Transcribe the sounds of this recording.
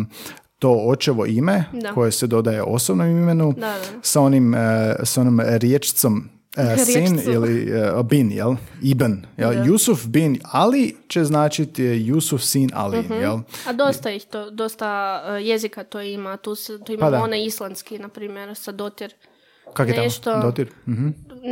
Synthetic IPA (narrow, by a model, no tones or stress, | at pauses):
t̪o̞ot͡ʃeʋo̞̰ʔime̞d̪akʰojesed̪o̞d̪ajḛʔo̞̰sobnomimenud̪asao̞nimsao̞nomɾjet͡ʃt̪som | sinilibinjḛlibənjeljusufbinalit͡ɕe̞znaːt͡ʃit̪jusufsina̰lijelˠad̪ost̪aixt̪od̪ost̪ajezikat̪oimat̪uːst̪oimad̪aoneislˠanskinapɾiːmjeɾsad̪ot̪iɾ | kakoet̪aʃt̪od̪ot̪iɾm̩ɦ̩